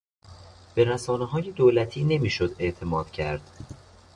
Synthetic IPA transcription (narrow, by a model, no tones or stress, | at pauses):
b̥e̞ɾæsɒːneɦɒːje̞d̪oːlæt̪ʰiːne̞miːʃod̪e̞ʔt̪ʰe̞mɒːd̪̥cʰæ̰ɾd̪̥